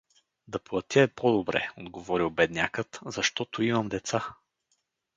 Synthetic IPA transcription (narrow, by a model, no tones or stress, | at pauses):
d̪ɐplˠɐt̪ʲɛpod̪obɾɛ̰od̪ɡovɔɾilˠbɛd̪nʲakət̪zɐʃt̪ɔt̪oimɐmd̪ɛt̪sa